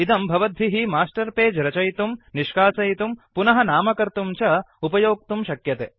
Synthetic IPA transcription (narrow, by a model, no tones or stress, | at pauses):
id̪ɐmbʱɐʋɐd̪ʱːiɦimaːsʈɐɾpeːd͡ʒɾɐt͡ʃɐjt̪umniʃkaːsɐjt̪umpunɐɦɐnaːmɐkɐɾt̪umt͡ʃɐ | upɐjoːk̚t̪umʃɐkjɐt̪eː